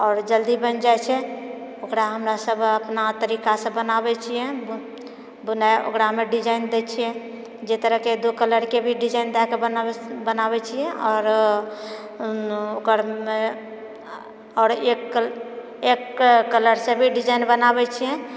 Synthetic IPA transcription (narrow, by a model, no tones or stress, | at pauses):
ɔːɾd͡ʒəld̪ibənd͡ʒajt͡ʃʰɛokɾaɦəmɾasəbʱəpnat̪əɾikasə̃bənabɛt͡ʃʰijɛ̃ | bənao̰kɾameɖid͡ʒaind̪ɛt͡ʃʰijɛ̃ | d͡ʒet̪əɾəɦked̪ukələɾkebʱiɖid͡ʒaind̪akebəbənabɛt͡ʃʰijɛɔːɾ | okəɾme | ɔːɾekː | ekːələɾsẽbʱiɖid͡ʒainbənabɛt͡ʃʰijɛ̃